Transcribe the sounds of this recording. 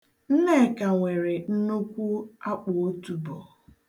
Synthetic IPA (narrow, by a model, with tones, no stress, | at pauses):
n̩˦ne˦˨ka˨ŋʷe˨ɾe˨n̩˦nu˦kʷu˦a˦k͡pʊ˨o˦tu˨bɔ˨